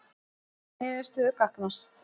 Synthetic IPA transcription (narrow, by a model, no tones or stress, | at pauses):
ɛðɪst̪ʏʏkaknast̪